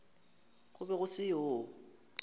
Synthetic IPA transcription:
ɣʊbɛɣʊsɪo

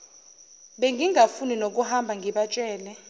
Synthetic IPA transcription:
ɓeŋɡiŋʱafuninok̬uhambʱaŋɡʱiɓat͡ʃʼɛːlɛ

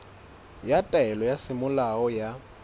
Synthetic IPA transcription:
jatʼaɛlɔjasɪmʊlaɔja

